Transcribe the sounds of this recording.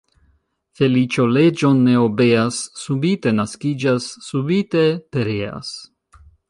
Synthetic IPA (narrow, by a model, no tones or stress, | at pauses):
fe̞lit͡ʃo̞le̞d͡ʒo̞nːe̞obe̞asːubite̞naskid͡ʒasːubite̞pe̞ɾea̰s